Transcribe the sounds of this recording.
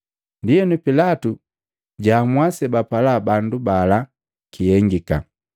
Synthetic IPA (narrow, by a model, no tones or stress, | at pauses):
ndijɛnupilatu | ɟaːmwasɛbapalabandubala | kijɛŋɡika̰